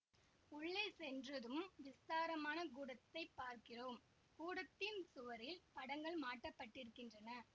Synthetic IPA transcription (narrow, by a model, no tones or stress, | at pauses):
ʊɭːɐsɛndrɐðɯmʋɪst̪aːɾɐmaːnɐkuːɽɐt̪ːɐɪpːaːɾkɪroːm | kuːɽɐt̪ːɪnsʊʋɐɾɪlpɐɽɐŋɡɐɭmaːʈːɐpːɐʈːɪɾɯkːɪndrɐnɐ